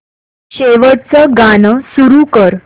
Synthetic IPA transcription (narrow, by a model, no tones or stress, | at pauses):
ɕeʋəɽt͡səɡanəsuɾukəɾ